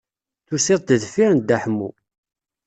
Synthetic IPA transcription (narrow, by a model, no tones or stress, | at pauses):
θusɪðˤd̪əðfiɾən̚d̪æħmːu